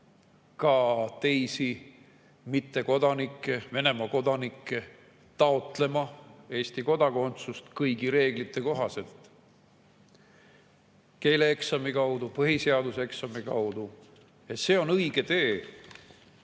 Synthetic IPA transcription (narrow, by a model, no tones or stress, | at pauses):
kɑt̪e̞jsi | mit̪ːe̞ko̞d̪̥ɑnikːˑe̞ve̞ne̞mɑko̞d̪̥ɑnikːe̞ | t̪ɑot̪ˑle̞mɑe̞ːsʲt̪iko̞d̪̥ɑko̞nt̪sust̪kɤjɡiɾe̞ːɡlit̪ːˑe̞ko̞ɦɑse̞lt̪ | ke̞jleeksɑmikɑwd̪upɤɦiseɑd̪useksɑmikɑ̰wd̪̥u | et̪se̞ːo̞nɤjɡ̥e̞t̪e̞ː